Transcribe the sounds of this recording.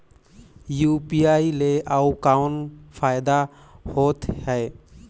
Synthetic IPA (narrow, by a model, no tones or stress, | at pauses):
jupiajleʔawkawnpʰajd̪a | hot̪ʰhɛj